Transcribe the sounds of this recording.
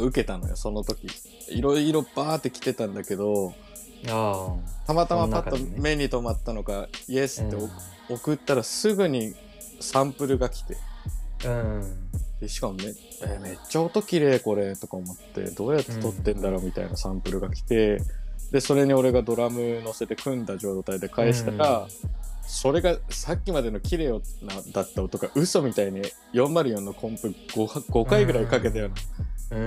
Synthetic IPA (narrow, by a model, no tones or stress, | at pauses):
aɯ̟ke̞t̪ano̞̰jo̰so̞no̞t̪o̞kʲi | ḭɾo̞iɾo̞baːt̪ːe̞kʲi̥t̪e̞t̪ãnd̪ake̞d̪o̞ | t̪amat̪amapatt̪ːome̞ɲ̟ːit̪o̞mat̪ːano̞ɡaiesɨ̥t̪ːe̞o | okɯ̟t̪ːaɾasɨɡɯ̟ɲ̟i | sãmpɯ̟ɾɯ̟ɡakʲi̥t̪e̞ | d̪̥e̞ɕi̥kamme | eːme̞t͡ɕːao̞t̪o̞kʲiɾe̞ːko̞ɾe̞t̪o̞kaomo̞t̪ːe̞̰d̪o̞ːjat̪ːe̞̥t̪o̞t̪ːẽ̞nd̪aɾo̞ːmʲit̪a̰ḭnasãmpɯ̟ɾɯ̟ɡakʲi̥t̪e̞d̪e̞so̞ɾe̞ɲ̟io̞ɾe̞ɡad̪o̞ɾamɯ̟no̞se̞t̪e̞kɯ̟̃nd̪aʑo̞ːt̪aid̪e̞kae̞ɕi̥t̪aɾa | so̞ɾe̞ɡasakʲːimad̪e̞no̞kʲiɾe̞ːonad̪at̪ːaot̪o̞kaʔɯ̟so̞mʲit̪aiɲi | jõ̞mːaɾɯ̟jõ̞nːokʰõ̞mpɯ̟ɡ̥ohɡ̥o̞kaiɡɯ̟ɾaikake̞t̪ajonã